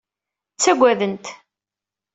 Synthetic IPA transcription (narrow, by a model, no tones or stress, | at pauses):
t͡sːæɡʷːæðənt̪